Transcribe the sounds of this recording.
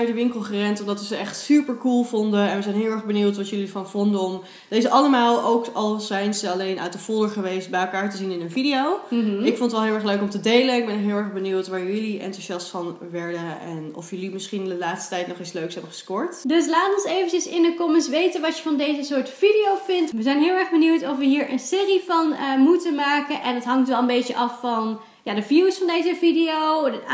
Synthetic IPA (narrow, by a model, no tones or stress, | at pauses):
œdəʋɪŋkəl̩ˠχərɛntɔmdɑtʋəzəɛχtsypəɹkulˠvɔndəɛnʋəzɛjnɦɪːlˠɛɹχbəniwtʋɑtjɵlifɑnvɔndəɔm | d̥ejzəʔɑləmaːlˠowkɑlˠzɛjnzəɑlejnʔa̰təfʊːəχəʋejst̚bɛjɛlˠkaːɹtəzinɪnənvidiowɪkfɔntətʋɛlˠɦɪːlˠɛɹχløɥkɔmtədejlənɪɡ̚bɛnkɦɪːlˠɛɹχbəniwtʋaːɹjɵliʔɛ̰ntuzɑstfɑnʋɛɹdənɛ̰nɔ̰fjəlimɪsχinɪndəlaːtstə̥tɛjtnɔχɪsløɥksɦɛbəχə̥skɔɹtdɵs̬laːtəɔnsejvəncəsɪndəkɔmənsʋejtənʋɑtjəvɑndejzəsʊːɹtfidijowvɪntʋəzɛjnɦɪːlˠɛɹχbəniwtɔfʋəɦiːɹʔə̰nsɪːrivɑnəmutənmaːkənʔɛndɑtɦɑŋtʋɛlˠəmbejtəʔɑfːɑn | jaːdəvjiwsfɑndejzəvidiow